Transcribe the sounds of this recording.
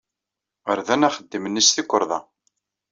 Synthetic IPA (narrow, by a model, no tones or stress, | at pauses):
əɾðænæχəd̪ːimənːisθikʷːəɾˤðˤɑ̰